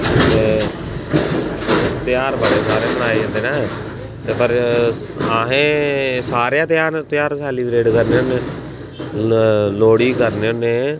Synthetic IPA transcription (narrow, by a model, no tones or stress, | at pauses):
t̪eː | t̪ɪjaːɾbəɽeːsaːɾeːbəɽaːed͡ʒə̃ːnd̪eːnaːeː | t̪eːpəɾ | aːɦẽːsaːɾjãːt̪ɪjaːnt̪ɪjaːɾsaːliːbɾeːʈkəɾneonẽː | loːɽiːkəɾneːoneː